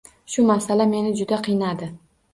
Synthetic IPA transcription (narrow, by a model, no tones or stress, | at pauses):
ʃʊmasalame̞nɪd͡ʒʊd̪aqʰɨjnad̪ɪ